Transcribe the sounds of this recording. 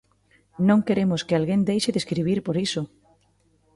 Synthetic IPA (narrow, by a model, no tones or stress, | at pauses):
nõŋkeɾemʊskɪalɣend̪ejʃeðeskɾiβ̞iɾpoɾisʊ